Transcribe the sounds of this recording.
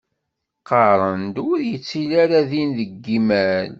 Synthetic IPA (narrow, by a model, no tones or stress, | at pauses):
qɑɾˤənd̪ʊɾjət͡sːilaɾaðinðəɡːimæl